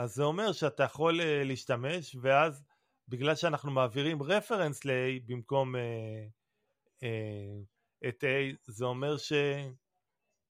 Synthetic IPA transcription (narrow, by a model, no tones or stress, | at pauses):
azːeo̞me̞ʁʃeatajaχo̞leliiːʃtame̞ʃve̞az | biɡlalʃeanaχnumaːviʁimʁe̞fe̞ʁensleejbimko̞me | e | etejzeo̞me̞ʁʃe̞